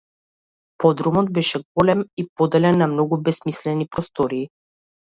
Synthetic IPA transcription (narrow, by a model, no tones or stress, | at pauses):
pɔd̪ɾumɔd̪̚bɛʃɛɡɔlɛmipɔd̪ɛlɛnːamnɔɡubɛsmislɛnipɾɔst̪ɔɾiː